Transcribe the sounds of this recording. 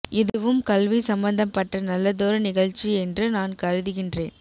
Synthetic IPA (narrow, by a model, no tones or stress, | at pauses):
ʔɪðɯʋɯmkɐlʋisɐmbɐnd̪ɐpːɐʈːɐnɐlːɐðoːɾɐnɪɣɐɻt͡ʃːiɛndrɯnaːnkɐɾɯðɯɣɪndreːn